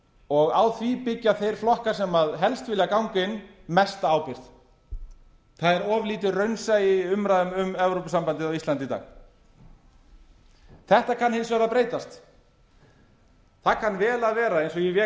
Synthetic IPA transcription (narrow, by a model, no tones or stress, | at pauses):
ɔɣawθvipɪcːaθejɾ̥flɔhkḁsɛmaðɦɛlst̪vɪlakawŋkɪnmɛst̪aaːwpɪɾ̥t̪ | θaðɛɾɔːvliːt̪ʏrœɥnsajɪʏmɾaːðʏmʏmɛvɾowpsampant̪ɪðawist̪ant̪ɪt̪a̰ːx | θɛht̪akʰanhɪnsvœɾapɾeːjt̪ast̪ | θakʰanːvɛːlaðvɛːɾaejnsɔɣjɛvɛ